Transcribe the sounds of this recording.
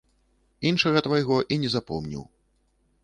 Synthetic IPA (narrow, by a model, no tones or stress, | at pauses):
inʂɐɣɐt̪vajɣɔʔinʲɛzapɔ̰mnʲḭw